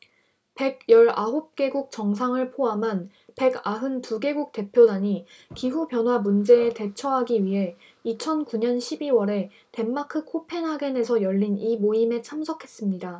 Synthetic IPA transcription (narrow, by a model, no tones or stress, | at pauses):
pe̞ɡ̚jʌɾaɦop̚k͈e̞ɡuk̚t͡ɕʌŋs̬ʰaŋɯɭpʰoamɦan | pe̞ɡaɦɯntuɡe̞ɡuk̚t͈e̞pʰjodaɲikiɦubjʌnɦwamund͡ʑe̞ːte̞t͡ɕʰʌɦaɡiɥiɦe̞ | it͡ɕʰʌnkuɲʌnɕʰibiwʌɾe̞ | te̞mːakʰɯkʰopʰe̞nɦaɡe̞ne̞sʰʌjʌʎːinimoime̞t͡ɕʰamsʰʌkʰe̞s͈ɯmɲida